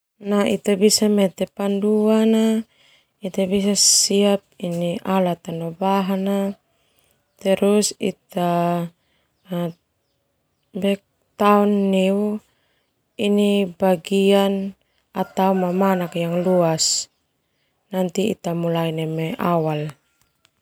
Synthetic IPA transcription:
naḭt̪abisamɛt̪ɛpanduana | it̪abisasiap̚iniʔalat̪anobaɦana | t̪ɛɾusḭt̪a | a | bɛk̚ | t̪aunːiu | inibaɡian | at̪aumamanakjaŋluas | nant̪iːt̪amulainemeʔawal

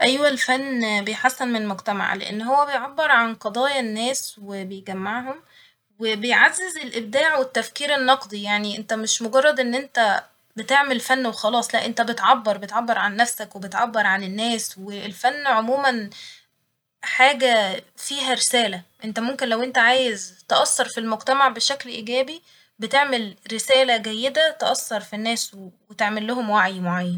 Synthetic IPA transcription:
ʔæjwælfænːbejħasːænmemoɡt̪æma̰ʕlḛʔḛnːɦowːæbejʕabːeɾˤʕanqɑd̪ˤɑːjɑnːæːswebejɡæmːaʕɦom | webejʕazːezelʔeb̚d̪aːʕwet̪ːæfkiːɾenːɑqd̪ˤijaʕniʔent̪æmeʃmoɡɑrˤːɑd̪ʔenːʔent̪æ | bet̪eʕmelfænːwexɑlɑːsˤlæʔent̪æbet̪ʕabːɑɾˤbet̪ʕabːɑɾˤʕanːæfsækwebet̪ʕabːɑɾˤʕanenːæːswelfænːʕomuːmæn | ħaːɡæfiːɦæɾesæːlæʔent̪æmomkenlæwʔent̪æʕaːjezt̪eʔɑsːɑɾˤfilmoɡt̪æmaʕbeʃæklʔiːɡæːbi | bet̪eʕmelɾesæːlæɡæjːed̪æt̪eʔɑsːɑɾˤfinːæːswwet̪eʕmelːohomwaʕjmoʕajːæn

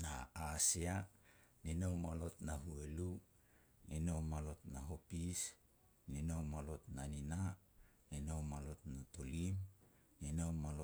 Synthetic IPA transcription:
naːsia | ninowmalo̞tnahuelu | ninomalo̞tnaɦo̞pis | ninowmalo̞tnanina | ninomalotnato̞lim | ninowmalo

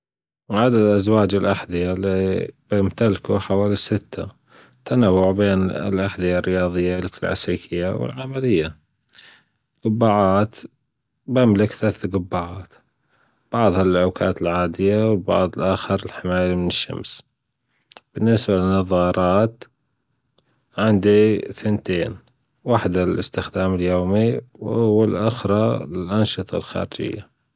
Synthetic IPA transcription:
ʕad̪ad̪lʔazwaːd͡ʒɪlʔaħd̪ɪjalib̥ɪmt̪alkuħawaːlisɪt̪ʰːa | t̪ʰːanawːʊʕbeːnɪ̰lʔaħd̪ɪjarːɪjɑːðˤɨjːalkɪlʕa̰siːkʰɪjːawɪ̰lʕamalɪjːa | ɡʊbːaːʕaːt̪ | bamlɪkθaθɡʊbːaːʕɑːt̪ | b̥ɑʕðˤhalʔaːkʰa̰ːt̪ɪlʕaːd̪ɪjawɪlbɑ̰ʕðˤlʔaːxɑɾɪlħɪmaːjamɪnɪʃːa̰ms | b̥ɪnːɪsbalɪnːɑðˤɑːɾˤɑːt̪ | ʕɪnd̪iθɪnt̪eːn | waħd̪alʔɪst̪ɪxd̪aːmɪljoːmiwʔwːalʔʊxɾˤɑlɪlʔanʃɨt̪ˤɑ̰lxa̰ːɾɪd͡ʒɪ̰jːa

